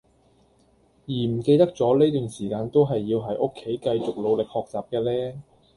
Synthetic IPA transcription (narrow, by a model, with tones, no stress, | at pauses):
jiː˨˩m̩˨˩ke˧jt̪ɐ˥k̚t͡sɔː˨˥leː˥jt̪yː˨nsiː˨˩kaː˧nt̪o˥wɦɐ˨jːiː˧wɦɐ˨˥jʔʊ˥kʰːe˨˥jkɐ˧jt͡sʊ˨k̚lo˨˧wlɪ˨k̚hɔː˨k̚t͡saː˨˩p̚kɛː˧lɛː˥